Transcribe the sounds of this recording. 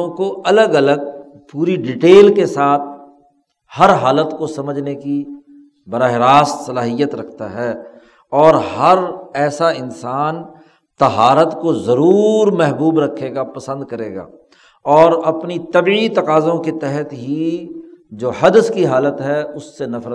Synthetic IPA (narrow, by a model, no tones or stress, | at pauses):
koʔɐləɡɐləɡ̚ | puːɾiɖɪʈeːlkesaːt̪̚ʰ | hɐɾɦaːlət̪kosɐməd͡ʒʱneki | bɐɾaːɦɪɾaːst̪sɐlaːɦijət̪ɾɐkʰt̪aɦɛː | ɔːɾɦɐɾɛːsaɪnsaːn | t̪ɐɦaːɾət̪kozɐɾuːɾmɛɦbuːbɾɐkʰːeːɡapɐsə̃nd̪kɐɾeːɡa̰ː | ɔːɾɐpnit̪ɐbiit̪ɐqaːzõket̪ɛɦət̪ɦi | d͡ʒoːɦɐd̪əskiɦaːlət̪ɦɛʊsːenɐfɾə